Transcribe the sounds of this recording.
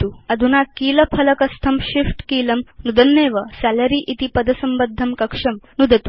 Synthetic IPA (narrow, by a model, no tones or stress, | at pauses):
t̪uɐd̪ʱunaːkiːlɐpʰɐlɐkɐst̪ʰɐmʃifʈkiːlɐmnud̪ɐnːeːʋɐsælɐɾiːʔit̪ipɐd̪ɐsɐmbɐd̪ʱːɐmkɐkʂɐmnud̪ʱɐt̪u̥